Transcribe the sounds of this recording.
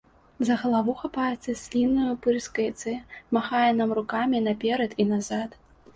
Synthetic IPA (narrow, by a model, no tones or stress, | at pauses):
zɐɣɐlˠavuxapajɛt̪sʲɐsʲlʲinːujupɨɾskɐjt̪sɛmaxajɛnamrukamʲinɐpʲɛɾɐt̪inazat̪